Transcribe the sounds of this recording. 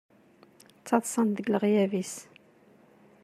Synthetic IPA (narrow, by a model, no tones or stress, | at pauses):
t͡sːɑðˤsˤɑnðəɡləʁjævis